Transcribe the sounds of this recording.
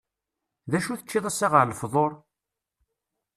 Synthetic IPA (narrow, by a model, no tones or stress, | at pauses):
ðæʃuθət͡ʃːɪðˤæsːɑʁəʕləfðˤoɾˤ